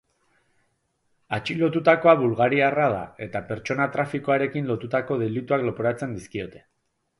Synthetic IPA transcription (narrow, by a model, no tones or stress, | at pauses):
at͡ʃilo̞t̪ut̪ako̞aβulɣaɾiarað̞a̰e̞t̪ape̞ɾt͡ʃo̞nat̪ɾafikoaɾe̞kinlo̞t̪ut̪ako̞ð̞e̞lit̪uaklo̞poɾat͡se̞nd̪iskio̞t̪e̞̥